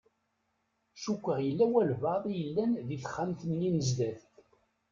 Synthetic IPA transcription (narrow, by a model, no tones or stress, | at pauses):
ʃukʷːəʁjəlːæwælvəðˤjəlːænðiθə̥χːæmθənːinəzd̪æθ